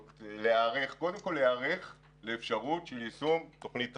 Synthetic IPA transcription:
leaʁeχko̞d̪emko̞lːeaʁeχ | leːfʃaʁutʃelisumt̪oχnit̪

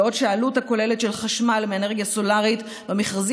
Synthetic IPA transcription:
o̞dʃealuthako̞le̞letʃelχaʃmalmeeneʁɡjaso̞laʁit | bemiχʁazi

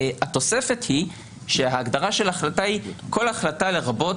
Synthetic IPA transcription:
hat̪o̞se̞fe̞t̪hi | ʃeɦaːɡdaʁaʃe̞laχlatahikʰo̞laχlatale̞ʁabo̞t

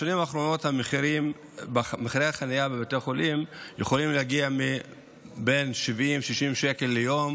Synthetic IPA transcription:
ʃanimaːχɾo̞no̞thameχʁim | bmeχɾeaχanajabeveteχo̞lʔimjeχo̞limleaɡiami | be̞nʃivimʃiʃimʃeke̞lːejo̞m

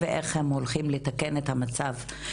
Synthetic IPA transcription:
veʔeχhemolχimlet̪ake̞net̪hamat͡sav

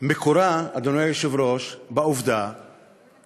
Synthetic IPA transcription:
mekoɾaad̪onajajoʃevɾoʃbauvd̪a

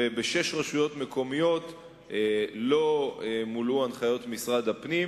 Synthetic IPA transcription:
ebeʃe̞ʃʁaʃujo̞tme̞ko̞mijo̞t | lo̞muluanχajo̞tmisʁad̪hapnim

